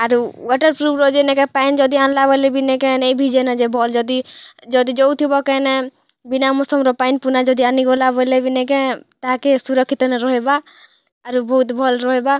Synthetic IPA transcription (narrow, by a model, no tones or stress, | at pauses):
aɾuwɔʈəɾpɾubɾɔd͡ʒenɛkepaind͡ʒɔd̪ianlabɔlebʱinekeneibʱid͡ʒenad͡ʒebʱɔld͡ʒɔd̪id͡ʒɔd̪id͡ʒɔut̪ʰibɔkɛnɛ | binamɔsɔmɾɔpainpunad͡ʒɔd̪ianiɡɔlabɔlebʱinek̬et̪akesuɾɔkʰːit̪ɔneɾɔɦeba | aɾubɔɦut̪bʱɔlɾɔɦeba